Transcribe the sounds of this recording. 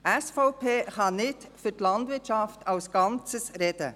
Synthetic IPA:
ʔɛsfɔʊpʰeːχɑnɪtfʏtlɑndvɪtt͡ʃɑftalsɡ̥ɑnt͡səsɾɛdə̰

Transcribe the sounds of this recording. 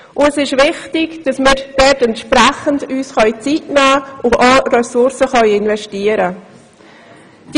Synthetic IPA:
ʔʊɛsɪʃvɪχtɪɡd̥ɑsmɪːɾd̥ɛtɛntʃpɾæχəndyːsχœjt͡sitnæːʔʊɑːrɛsʊɾsəχœjɪnvɛʃtiəɾə | d̥

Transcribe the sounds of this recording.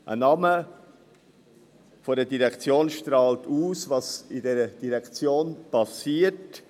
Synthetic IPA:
ʔə̰nɑmə | fɔɾdədiɾɛkt͡sjoːnʃtɾɑːltuːsvɑsɪdɛɾəd̥iɾɛkt͡sjoːnpɑsiːət

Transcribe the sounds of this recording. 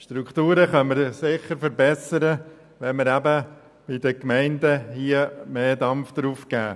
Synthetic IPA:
ʃtɾukχt̪uːɾəχœnməɾsɪχəɾfəɾbɛsəɾə | ʋɛməɾæbə | b̥ɪd̪əkmɛɪndəhiəmeːd̪ɑmfd̪̥ɾuːfkæː

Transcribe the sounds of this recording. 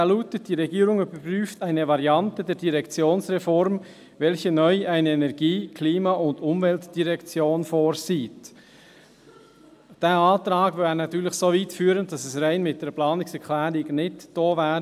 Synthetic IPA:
ɛluːtət̚d̥iːɾɛɡiːɾʊŋybəpryːftaɪnəvɑɾjɑntədɛːɐdiʁɛkt͡sjoːnsʁɛfɔɾm | vɛlçənœʏʔaɪnəɛnɛɾɡiːkʰliːmɑʔʊndʊmvɛltd̥iʁɛkt͡sjoːnfoːɾsiːt | d̥eːɑːtɾɑːɡvɛːɾnɑt̪yːɾlɪçsoːviːtfyːɾənd̥ɑsɛsraɪnmɪt̚d̥ɛːplɑːnɪksɛkʰlɛːɾɪɡnɪtd̥oːvɛːɾə

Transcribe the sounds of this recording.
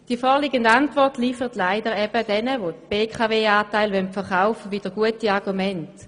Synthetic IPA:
d̥iəfɔːʁliɡəndantvɔʁtliːfəʁətlaɪdəʁɛb̥ədɛnəʋotb̥eːkʰaveːaːtaɪlʋœntfɛʁχaʊfəvid̥əʁɡuətiɑʁɡumɛnt

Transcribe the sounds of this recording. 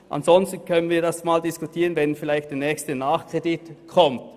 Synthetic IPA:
ʔa̰nzɔnstn̩kʰœnənviːɐdasmaːldɪskutʰiːʁənvɛnfɪlaɪçtd̥eːɐnɛːçstənaːχkʁ̥edɪtkʰɔmt

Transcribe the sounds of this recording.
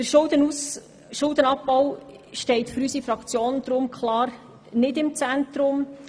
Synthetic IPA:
d̥əɾʃʊld̪ənus | ʃʊld̪ənɑpːaw | ʃtɛɪtfɵɾysifɾɑkt͡sjoːnd̥̪ɾʊmkʰχlɑːr | nɪdɪmt͡sænt̪ɾʊm

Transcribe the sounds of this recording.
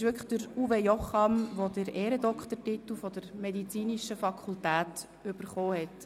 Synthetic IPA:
ɪʃʋʏkʰəχd̥əɾuvejɔχɑmʋodəɾeːɾədɔkχt̪əɾtit̪l̩fɔd̥əɾmɛdit͡siːniʃəfɑkʰultæːt | ʏb̥əɾχoːhɛt

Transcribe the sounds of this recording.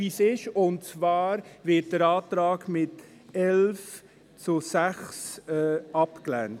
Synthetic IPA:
isɪʃʊntt͡svɑːɾvɪt̚d̥əɾɑːtɾɑːɡmɪt | ɛlf | t͡sʊsæχsɛːɑpklænt

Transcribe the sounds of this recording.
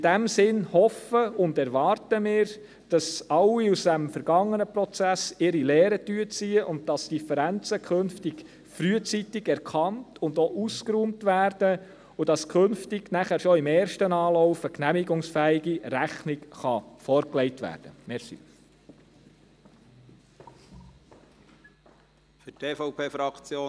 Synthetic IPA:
ɪd̥æmsɪnhɔfəʊndɛɾʋɑɾtəmɪːɾ | d̥ɑsɑlːiusd̥æmfəɾɡ̥ɑŋːənəpɾɔt͡sæsɪɾilɛːɾətyət͡siːəʔʊnd̚d̥ɑsd̥ifəɾænt͡səkʰɵnftɪɡ̥ | fɾyət͡sitɪɡɛɾkʰɑntʊndoʔuskɾuːmtʋæːɾd̥ə | ʊd̥ɑskʰχɵnftɪɡ̥næχæɾʃɔɪmɛːɾʃtənɑːlɔʊfəknæmiɡʊŋsfæːɪɡiɾæχnɪkχɑfɔɾklɛjtʋæ̰ːɾd̥əmɛsḭ | fʏtʰeːfɔʊpʰeːfɾɑkt͡sjoː

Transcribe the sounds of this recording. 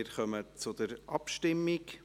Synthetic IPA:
ɾχœmət͡sʊd̪əɾʔɑpʃtɪmːɪk

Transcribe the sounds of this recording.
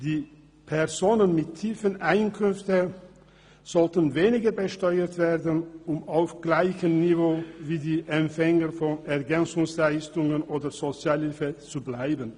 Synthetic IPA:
d̥iː | pʰɛʁzoːnənmɪtʰːiːfənʔaɪnkʰʏnftə | z̥ɔltənveːnɪɡəbəʃtɔʏətv̥eːɐdən̩ʊmaʊfɡ̥laɪçəmnivoːviːdiːʔɛmfɛŋəfɔnɛɐɡɛnt͡sʊŋslaɪstʊŋənʔoːdəz̥ot͡sjaːlhɪlfət͡sublaɪbən

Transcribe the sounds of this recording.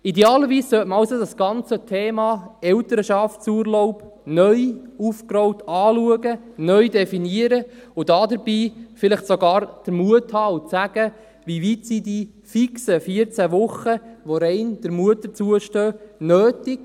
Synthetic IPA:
idɛɑːləʋiːssœtməɑwsodɑsɡ̥ɑnt͡sətʰeːmɑːɛwtəɾəʃɑftsuːɾlɔʊp | nœʏufkɾɔwtʰɑːluəɡə | nœʏdɛfiniəɾəʊdɑːdəɾbiːfɪlɪχtsoɡɑːɾd̥əɾmuəthɑːʊt͡sæɡ̥ə | ʋiʋiːtsidi | fiksəfiəɾt͡sæʋʊχəʋɔɾɛɪnd̥əɾmuətət͡suəʃtøːnøːtɪk

